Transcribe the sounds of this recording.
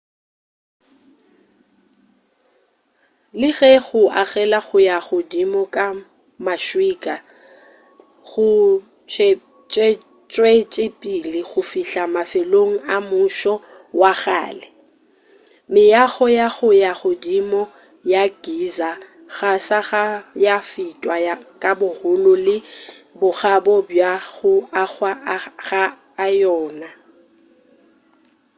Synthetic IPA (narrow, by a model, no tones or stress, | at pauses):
lɪɣɛɣʊʔaɣɛlaɣʊjaɣʊdimɔkʼa | maʃwiːkʼa | ɣʊ | t͡ʃʼ | t͡ʃʼe | t͡ʃʼwet͡ʃʼɪpʼilɪɣʊfiɬamafeloŋ̩amʊʃɔ | waɣa̰ːlɛ | mɪjaɣɔjaɣʊjaɣʊdimɔ | jaɡ̥iza | ɣasaɣajafitʼwakʼabʊhʊlʊlɪbʊɣabɔbjaɣʊaɣwaɣaː | jɔːna